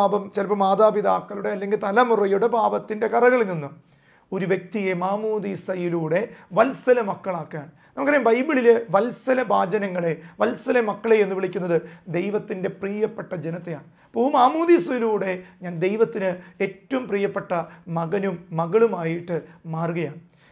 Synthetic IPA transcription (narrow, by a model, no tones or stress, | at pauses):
bɐmt͡ɕelɐpːɐmaːðaːbiðaːkːɐluɽe̞ɐlːe̞ŋɡilt̪ɐlɐmurɐjuɽe̞baːbɐt̪ːinde̞kɐrɐɣɐɭilninːum | o̞ɾuʋjek̚t̪ije̞maːmuːd̪isɐjiluːɽe̞ʋɐlsɐlɐmɐkːɐɭaːkːaːɳɨnɐmukːɐɾjmbɐjbiɭilʋɐlsɐlɐbʱaːd͡ʑɐnɐŋːɐɭe̞ʋɐlsɐlɐmɐkːɐɭejenːuʋiɭikʲːunːɐðɨd̪e̞jʋɐt̪ːinde̞priːjɐpːe̞ʈːɐd͡ʑenɐt̪ːejaːɳ | pomaːmuːd̪isɐjiluːɽe̞ɲaːnd̪e̞jʋɐt̪ːinɨe̞ːtːɐʋumpriːjɐpːe̞ʈːɐmɐɣɐnumːɐɣɐɭumaːjiʈːɨmaːrɡɐjaːɳ